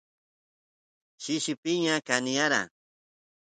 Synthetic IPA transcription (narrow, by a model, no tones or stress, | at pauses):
ʃɪʃɪpɪɲakanijaɾa̰